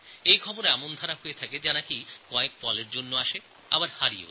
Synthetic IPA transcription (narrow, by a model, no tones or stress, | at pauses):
ejkʰɔboɾɛmond̪ʱaɾaɦoet̪ʰaked͡ʑanakikɔek̚fɔleɾd͡ʑonːoaʃe | a̰baɾhaɾio̰